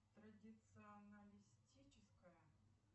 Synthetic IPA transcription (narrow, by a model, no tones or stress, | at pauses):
t̪ɾɐdʲɪt̪sɨɐnɐlʲɪsʲtʲit͡ɕɪskəjə